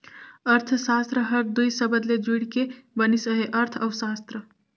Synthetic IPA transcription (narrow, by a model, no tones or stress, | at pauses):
əɾt̪ʰsast̪ɾəɦəɾd̪ujsəbəd̪led͡ʒuɽkebənisəɦeʔəɾt̪ʰɐwsast̪ɾə